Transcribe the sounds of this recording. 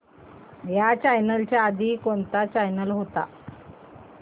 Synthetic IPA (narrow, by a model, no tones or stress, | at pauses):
jat͡ɕajnəlt͡ɕjaːd̪ʱiːkont̪at͡ɕajnəlɦot̪a̰